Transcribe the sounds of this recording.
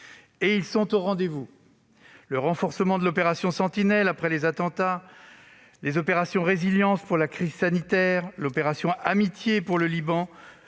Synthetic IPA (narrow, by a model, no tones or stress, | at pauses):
eilsɔ̃t̪oʁɑ̃d̪evu | ləʁɑ̃fɔʁsəmɑ̃d̪əlɔpeʁasjɔ̃sɑ̃t̪inɛlapχɛlezat̪ɑ̃t̪a | lezɔpeʁasjɔ̃ʁeziljɑ̃spuʁlakχizsanit̪ɛʁlɔpeʁasjɔ̃amit̪jepuʁləlibɑ̃